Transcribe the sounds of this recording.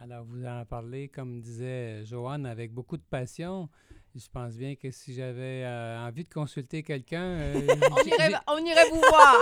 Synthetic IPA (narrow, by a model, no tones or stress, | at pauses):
alɔːʁvuzɑ̃paʁlekɔmd̪izɛʒoanavɛk̚bokud̪əpasjɔ̃ | ʒəpɑ̃sbjɛ̃kəsiʒavɛɑ̃vid̪əkɔ̃sylt̪ekʲɛlkʲœ̃ɔ̃iʁɛɔ̃niʁɛvuvwaːʁ